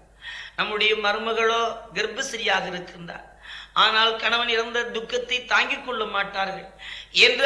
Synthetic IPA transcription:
nɐmːɯɽɐjɐmɐɾɯmɐɣɐɭoːɡɪɾbɯsɐɾɪjaːɣɐɪɾɯkːɪɾɯnd̪a̰ːn | ʔaːnaːlkɐɳɐʋɐnɪɾɐnd̪ɐd̪ʊkːɐt̪ːɐɪt̪aːŋɡɪkːɔɭːɐmaːʈːaːɾɣɐɭɛndr

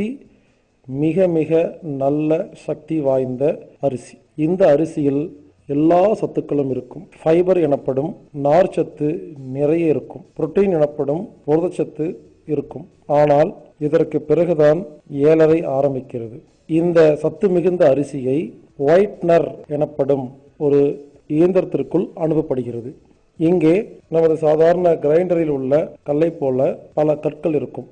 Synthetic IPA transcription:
i | mɪɣɐmɪɣɐnɐlːɐsɐk̚t̪iʋaːjnd̪ɐɐɾɪsi̥ | ɪnd̪ɐːɾɪsɪjɪl | ɛlːaːsɐt̪ːɯkːɐɭɯmɪɾɯkːɯmfɐɪbɐɾɛɳɐpːɐɽɯmnaːɾt͡ʃɐt̪ːɯnɪrɐjɐɪɾɯkːɯmpɾɔʈːɐjɪnɛɳɐpːɐɽɯmpɔɾɯðɐt͡ʃːɐt̪ːɯ | ɪɾɯkːɯm | aːnaːl | ɪðɐrkɯpːɪrɐɣɯðaːneːlɐɾɐɪaːɾɐmbɪkːɪrɐðɯ | ɪnd̪ɐsɐt̪ːɯmɪɣɯnd̪ɐːɾɪsɪjɐɪ | ʋɐɪʈnɐɾɛɳɐpːɐɽɯm | ɔɾɯ | iːnd̪ɐɾɐt̪ːɪrkɯɭɐɳɯʋɐpːɐɽɯɣɪrɐðɯ | ɪŋɡeːnɐmɐðɯsaːðaːɾɐɳɐɡɪɾɐɪɳɖɐɾɪlʊɭːɐkɐɭːɐɪpːoːlɐpɐlɐkɐʈ̚kɐɭɪɾɯkːɯm

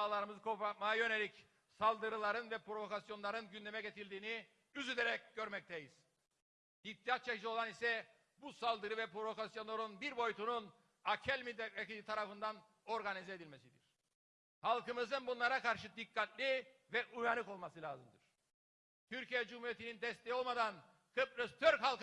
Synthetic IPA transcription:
aːlˠaɾɯmɯzɯkʰo̞pɾat̪̚majajø̞ne̞lʲic | salˠd̪ɯɾɯlˠaɾɯnvɛpɾovo̞kasjo̞nlˠaɾɯnɟynd̪emɛɟet̪ʰilʲd̪iːni | yzyd̪eɾɛcɟø̞ɾmɛc̚t̪ʰɛjiz̥ | ip̚t̪ʰijat̪̚t͡ʃʰɛcd͡ʒio̞lˠanisɛ | busalˠd̪ɯɾɯvɛpɾo̞vo̞kasjo̞nˠaɾunbiɾbo̞jut̪ʰunun | acʰɛlʲmid̪ʲɛt̪ɛciit̪ʰaɾafɯnd̪an | o̞ɾɡanizɛed̪ilʲmesid̪iɾ̥ | halˠkɯmɯzɯnbunlˠaɾakaɾʃɯd̪ikːat̪lʲivɛʔujanɯko̞lˠmasɯlʲa̰ːzɯmd̪ɯɾ̥ | t̪ʰyɾcijɛd͡ʒumhuɾijet̪ʰinind̪ɛst̪ʰɛjio̞lˠmad̪an | kʰɯpɾɯst̪ʰøɾhalˠk

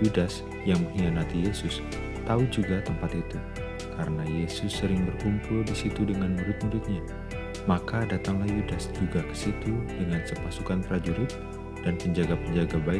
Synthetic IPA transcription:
judas | jaŋməŋianat̪ijesʊs | t̪aud͡ʒuɡat̪əmpat̪it̪u | kaɾənajesʊsːəɾɪŋbərkumpʊldisit̪udəŋanmuɾʊt̪̚muɾʊt̪̚ɲa | makadat̪aŋlahjudasd͡ʒuɡakə̥sit̪udəŋasapasukanpəɾad͡ʒuɾɪt̪̚ | d̥anpəɲd͡ʒaɡapəɲd͡ʒaɡabaɪ

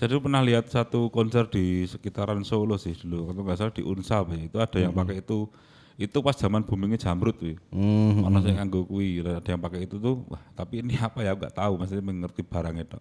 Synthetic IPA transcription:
d͡ʒ̥adipərnahliɦat̪̚sat̪ukɔnsɛrd̪̥i̤səkit̪aɾansolosɪhd̪̥ṳlukat̪oŋɡasalad̥i̤ʔunsapɛit̪uad̥a̤jaŋpakɛit̪u | it̪upasd̥ʒ̥a̤manb̥ṳmiŋe̥d͡ʒ̥a̤mɾʊt̪̚wɪɔnɔsaŋaŋɡokuilaad̥a̤jaŋpakɛit̪ut̪uwa̰ht̪apiːniapajaŋɡa̰ʔt̪aumasiɲmɛŋŋərt̪ib̥a̤ɾaŋed̥̪ɔʔ

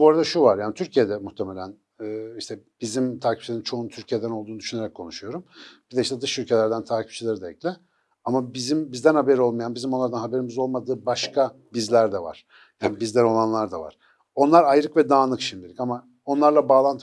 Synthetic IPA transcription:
buaɾad̪aʃuvaɾjaːnit̪ʰyɾcʰijed̪ɛmuxt̪ʰemelʲænː | iʃt̪ʰɛbizimt̪ʰaːcʰip̚t͡ʃilʲeint͡ʃʰo̞unt̪ʰyɾcʰijed̪ænolˠd̪uːd̪yʃyneɾɛkʰːo̞nuʃujo̞ɾumb̥id̪ɛiʃt̪ɛd̪ɯʃylʲcʰe̞lʲæɾd̪ænt̪ʰaːcʰip̚t͡ʃʰilʲeɾɯd̪aɛclʲɪ | amabizimbizd̪ænhabeɾo̞lˠmajanbizimonˠaɾd̪anɦabe̞ɾimizo̞lˠmad̪ɯːbaʃkʰabizlʲæɾd̪ɛva̰ɾ̥ | jaːnibizlæno̞lˠanlˠaɾd̪ava̰ɾ̥ | o̞nlˠaɾajɾɯkvɛd̪aːnˠɯkʃimd̪ilʲicama | o̞nlˠaɾlˠabaːlˠant̪ʰɯ

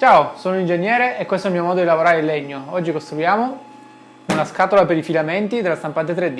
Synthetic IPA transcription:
t͡ʃaːosoːnoind͡ʒenːjɛːɾeʔːkwest̪oɛlmiomɔːd̪od̪ilavoɾaːɾeilːeɲːoɔd͡ʒːikost̪ɾujaːmo | unaskaːt̪olapeɾifilament̪id̪elːast̪ampant̪et̪ɾed̪i

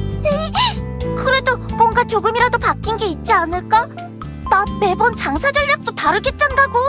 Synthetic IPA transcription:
e | kɯɾe̞dobwʌnɡat͡ɕoɡɯmiɾadopak͈inɡe̞it̚t͡ɕ͈ianɯɭk͈a | name̞bʌnt͡ɕaŋsʰad͡ʑʌʎːak̚t͈otaɾɯɭk͈e̞t̚t͡ɕ͈andaɡo

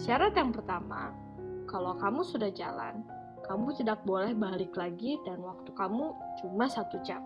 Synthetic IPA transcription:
siaɾat̪jaŋpərt̪ama̰ | kalowkamusudahd͡ʒa̰la̰n | kamut͡ʃədak̚bolɛhbalɪklaɡidanwak̚t̪ukamut͡ʃumasat̪ud͡ʒa̰m

